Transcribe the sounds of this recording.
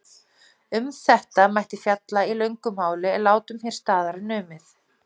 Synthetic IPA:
ʏmθɛht̪amajht̪ɪfjat̪lailœɥŋkʏmhaːwlɪɛlaːwt̪ʏmçɛɾ̥st̪aːðaɾɪnʏːmɪθ

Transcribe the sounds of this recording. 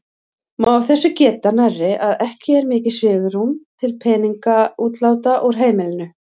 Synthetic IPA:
maavθɛsːʏcɛːt̪anɛrːɪʔaðɛhcɪɛɾmɪːcɪsvɪːɣʏɾumt̪ʰɪlpʰɛːniŋkauːt̪laːwt̪aʔɔɾ̥ɦeːjmɪlɪnʏ

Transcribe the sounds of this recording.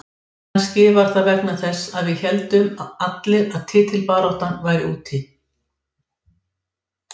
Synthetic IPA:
nscɪvaɾ̥θaðvɛknaθɛsːaðvɪðçɛlt̪ʏmaat̪lɪɾaðt̪ʰɪːt̪ʰɪlpaːɾɔht̪anvaːjɾɪuːt̪ʰɪ

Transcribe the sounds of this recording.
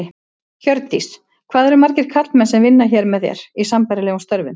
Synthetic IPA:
çœɾt̪ːis | kʰv̥aːðɛɾʏmaɾcɪɾ̥kʰat̪mɛnsɛmvɪnːaçɛːɾmɛðjɛ̰ɾ̥isampajɾɪlɛːɣunst̪œɾvʏn

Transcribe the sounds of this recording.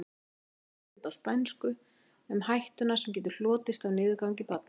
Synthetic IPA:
t̪awspɛnskʏ | ɛmhajht̪ʏnḁsɛmcɛːt̪̬ʏ̥ɾ̥l̥ɔːt̪ɪst̪awnɪːðkawŋcɪpat̪̚n

